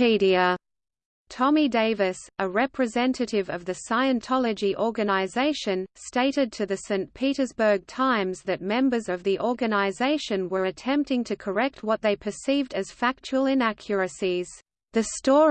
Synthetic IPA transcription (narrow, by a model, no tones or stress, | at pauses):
iɾiə | tʰɑmideɪvɨsəɹɛpʰɹ̥ɨzɛ̃ntʰɨɾɪvʌvðɨsaɪɨ̃ntʰɑlˠɨd͡ʒiʔɔɹɡɨnəɪzeɪʃɨ̃nsteɪɾɨd̚tʰɨðɨsẽɪ̃npʰiɾə˞zbə˞ɡ̚tʰãɪ̃mzðɨt̚mɛ̃mbə˞zʌvðiʔɔɹɡɨnəɪzeɪʃɨ̃nwə˞ɨtʰɛ̃mp̚tɪ̃ŋtʰɨkʰə˞ɛk̚t̚wʌt̪̚ðeɪpʰə˞sivdɨz̥fæk̚t͡ʃuəlˠɪ̃nækʰjə˞ɨsiz̥ | ðɨstɔ